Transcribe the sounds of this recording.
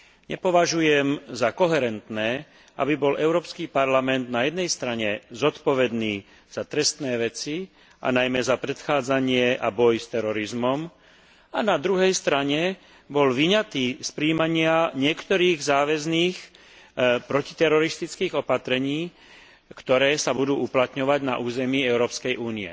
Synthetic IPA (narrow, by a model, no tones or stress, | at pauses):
ɲɛpɔʋaʒujɛmzakɔɦɛɾɛnt̪nɛː | ʔa̰bibɔlʔɛʊɾɔːpskiːpaɾlamɛnd̪najɛd̪nɛjst̪ɾaɲɛzɔt̪pɔʋɛd̪niː | z̥at̪ɾɛst̪nɛːʋɛt͡si | ʔa̰najmɛzapɾɛt̪xaːd͡zaɲɪɛʔa̰bɔjst̪ɛɾɔɾizmɔm | anad̪ɾuɦɛjst̪ɾaɲɛ | bɔlʋiɲat̪iːspɾiːmaɲɪaɲɪɛkt̪ɔɾiːɣzaːʋɛzniːx | pɾɔci̥t̪ɛɾɔɾist̪it͡skiːɣɔpat̪ɾɛɲiː | kt̪ɔɾɛːsabud̪uːuplat̪ɲɔʋaɟna̰ʔuːzɛmiːɛʊɾɔːpskɛjʔuːniɛ̰